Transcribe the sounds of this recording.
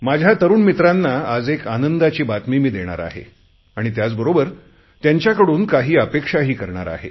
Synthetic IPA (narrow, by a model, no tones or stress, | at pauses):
mad͡ʑʱjat̪əɾuːnmit̪ɾanːaːd͡zekanənd̪at͡ɕiːbat̪mimiːd̪eɽ̃a̰ɾa̰ɦḛ | aɽ̃it̪jat͡sbəɾobəɾ | t̪jaɲt͡ɕjakəɽuːnkaɦiːəpekʂaɦiːkəɾɳaɾa̰ɦḛ